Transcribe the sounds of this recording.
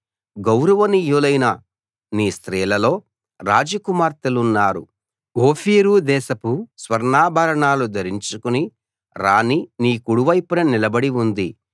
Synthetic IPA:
ɡɐwɾɐʋɐnijuːlɐjnɐ | niːst̪ɾiːlɐlo̞ː | ɾaːd͡ʒɐkumaːɾt̪ɐlunːaːɾṵ | oːfʰiːɾuːd̪ɛːʃɐpusʋɐɾnaːbʱɐɾɐɳaːlud̪ɐɾiɲt͡ʃukuni | ɾaːniniːkuɽuʋɐjpunɐnilɐbɐɽiund̪i

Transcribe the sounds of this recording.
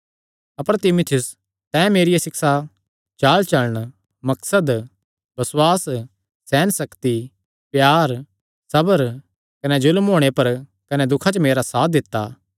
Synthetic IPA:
ɐpəɾt̪ɪmʊt̪ʰɪjʊs | t̪ɛ̃ːmeːɾɪjasɪksa | t͡ʃaːlt͡ʃɐləɽ̃ | mɐksəd̪ | bɐswaːs | sːɛːnsɐkt̪i | pjaːɾ | sɐbəɾ | kɐnɛzʊlmɦoːɽ̃epɐɾ | kɐnɛd̪ʊkʰat͡ʃəmeːɾasaːt̪̚d̪ɪt̪ːa̰ː

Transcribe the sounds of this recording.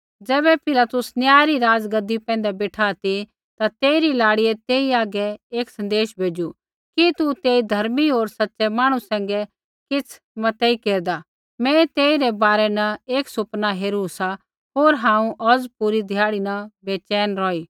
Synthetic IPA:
d͡zɛːβɛpʰɪlat̪ʊsnjaːjɾiɾaːd͡zɡɐd̪ːipɛ̃ːnd̪abeːʈʰat̪i | t̪at̪eːiɾilaːɽiɛt̪eːiaːɡɛeːksɐ̃nd̪eːʃbʱeːd͡ʒu | kit̪ut̪eːid̪ʱɐɾmiɦoːɾsɐtːsɛmaːɽ̃usɛ̃ːŋɡɛ | kɪt͡sʰ | mɐt̪ɛikeːɾd̪a | mɛ̃t̪eːiɾɛbaːɾɛnɐeːksʊpnaɦeːɾusa | ɦoːɾɦãːũʔɔd͡zpuːɾid̪ʱjaːɽinɐbeːt͡ʃɛːnɾɔːiː

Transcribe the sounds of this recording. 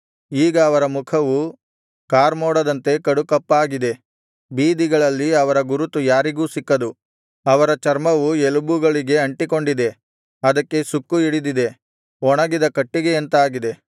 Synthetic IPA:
iːɡɐːʋɐɾɐmukʰɐʋu | kaːɾmoːɽɐd̪ɐnt̪e̞kɐɽukɐpːaːɡid̪e̞ | biːd̪iɡɐɭɐlːiɐʋɐɾɐɡuɾut̪ujaːɾiɡuːsikːɐd̪u | ɐʋɐɾɐt͡ʃɐɾmɐʋuelubuɡɐɭiɡe̞ɐɳʈiko̞ɳɖid̪e | ɐd̪ɐkːe̞sukːuiɽid̪id̪e̞ | ɔɳɐɡid̪ɐkɐʈːiɡeːnt̪aːɡid̪e̞

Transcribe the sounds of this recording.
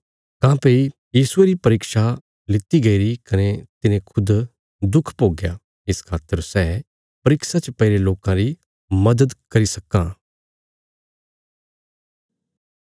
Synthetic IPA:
kãːpeːi | jiːsʊeɾipɐɾɪkʃa | lɪt̪ːiɡɐiɾikɐnet̪ɪnẽkʰʊd̪ | d̪ʊkʰpoːɡja | ɪskʰaːt̪ːəɾsɛː | pɐɾɪksat͡ʃəpɐɪɾeloːkãɾi | mɐd̪əd̪kɐɾisɐkːãː

